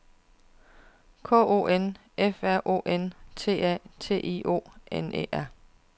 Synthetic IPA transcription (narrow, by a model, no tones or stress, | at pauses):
kʰɔ̰ːo̝̰ːen | efæɐ̰ʔo̝̰ːʔent͡sʰe̝̰ːæ̰t͡sʰe̝̰ːʔḭo̝̰ːenḛːʔæɐ̰